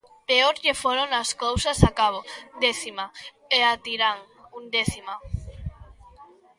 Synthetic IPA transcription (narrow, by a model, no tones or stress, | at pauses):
peoɾʎefoɾoŋaskowsasakaβ̞od̪eθima | eat̪iɾaŋ | und̪eθima